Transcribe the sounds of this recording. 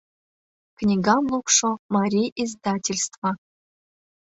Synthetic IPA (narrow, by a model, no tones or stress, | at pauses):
knʲiɡɑmlˠukʂŏmɑɾʲijʔizd̪ɑtʲilʲst̪vɑ